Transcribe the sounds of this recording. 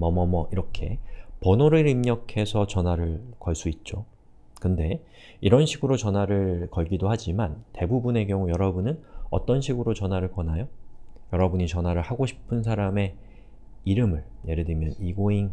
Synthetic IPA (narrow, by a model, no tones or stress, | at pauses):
mʌmʌmʌiɾʌkʰe̞pʌnoɾɯɾimɲʌkʰe̞sʰʌt͡ɕʌnwaɾɯɭkʌɭs͈uit̚t͡ɕ͈o | kɯnde̞ | iɾʌnɕʰiɡɯɾot͡ɕʌnwaɾɯɭkʌɭɡidoɦad͡ʑimante̞bubune̞k̬jʌŋujʌɾʌbunɯnʌt͈ʌnɕʰiɡɯɾot͡ɕʌnwaɾɯɭkwʌnajojʌɾʌbuɲit͡ɕʌnwaɾɯɭhaɡoɕʰi̥pʰɯnsʰaɾame̞ | iɾɯmɯɭje̞ɾedimjʌniɡoin